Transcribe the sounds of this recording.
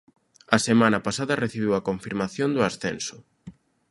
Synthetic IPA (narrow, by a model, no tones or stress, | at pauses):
ɐsemãnɐpasaðɐreθiβ̞iwɐkoɱfiɾmaθjond̪ʊasθensʊ